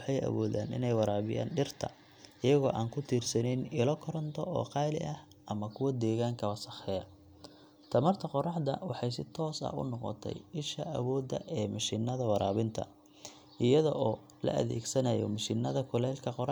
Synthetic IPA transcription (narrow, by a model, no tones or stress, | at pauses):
ħɑjɐ̰wɔːða̰ːnɪ̰nɛjwɑɾaːβɪja̰ːnɖɪrt̪ʰɐ̰ | ɪjɐɣɔːʔaːŋkʰʊt̪ʰiːrsɐnɛnɪlɔkʰɔɾɔnt̪ʰɔʔɔ̰ːqɑːlɪ̰ʔɐh | ʔɐmɐkʰʊwɐd̪ɛːɣaːŋkʰɐwɐsɐxɛːjɐ | t̪ʰɐmɐrt̪ʰɐqɔrɑħd̪ɐ̰wɑħɑjsɪt̪ʰɔːsɐ̰hʊ̰nɔqɔ̰t̪ʰɛ̰jɪʃɐʔɐ̰wɔːd̪ɐ̰ʔɛːmɐʃinːɐðɐwɑɾaːβɪnt̪ʰɐ̰ | ʔɪjɐðɔ̰ʔɔː | lɐ̰ʔɐ̰ðɛ̰ːɡsɐnɐjɔ̰mɐʃɪnːɐðɐkʰʊlɛːlkʰɐqɔr